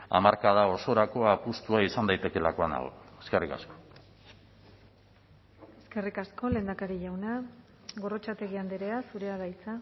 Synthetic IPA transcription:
a̰maɾkaðao̞so̞ɾakoapust̪uaisand̪ajt̪e̞ke̞lako̞ana̰leske̞rika̰sko̞̥ | e̞ske̞rikasko̞le̞ːnd̪akaɾiʝawna | ɣo̞ro̞t͡ʃat̪e̞ɣiand̪iɾeasuɾe̞aɣajt͡sa

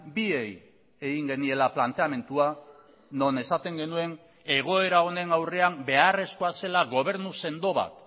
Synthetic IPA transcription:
bie̞j | e̞ɣiŋɡe̞nie̞laplant̪e̞ame̞nt̪ua | no̞ne̞sat̪e̞ŋɡe̞nue̞n | e̞ɣ̞o̞e̞ɾao̞ne̞nawre̞ambe̞are̞sko̞ase̞laɣo̞β̞e̞ɾnuse̞nd̪o̞βa̰t̪

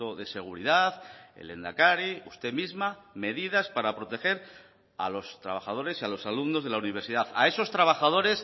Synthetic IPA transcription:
oðe̞se̞ɣ̞uɾiðaθḛle̞nd̪a̰kaɾiust̪e̞mizmame̞ðiðaspaɾapɾo̞t̪e̞xe̞ɾ | a̰lo̞st̪ɾa̰βaxað̞o̞ɾe̞sialo̞salumno̞zð̞e̞launiβ̞e̞ɾsiðaθa̰e̞so̞st̪ɾaβaxað̞o̞ɾe̞s

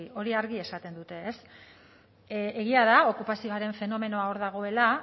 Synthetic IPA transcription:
io̞ɾiaɾɣie̞sat̪e̞nd̪ut̪e̞ːs | eɣiaðao̞kupasio̞aɾe̞ɱfe̞no̞me̞no̞ao̞ɾðaɣ̞o̞e̞la

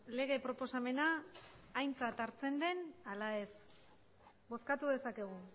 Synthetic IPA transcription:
le̞ɣ̞e̞pɾo̞po̞same̞naː | jnt͡sat̪aɾt͡se̞nd̪e̞nalae̞s | bo̞skat̪uðe̞sake̞ɣ̞u

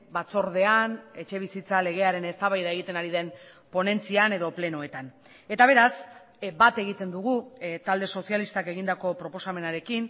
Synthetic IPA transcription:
bat͡so̞ɾð̞e̞ane̞t͡ʃe̞β̞isit͡sale̞ɣ̞e̞aɾe̞ne̞st̪aβajðae̞ɣit̪e̞naɾiðe̞n | po̞ne̞nt͡siane̞ðo̞ple̞no̞e̞t̪an | e̞t̪aβ̞e̞ɾas | bat̪e̞ɣ̞it̪e̞nd̪uɣ̞ut̪ald̪e̞so̞sialist̪ake̞ɣind̪ako̞pɾo̞po̞same̞naɾe̞kin

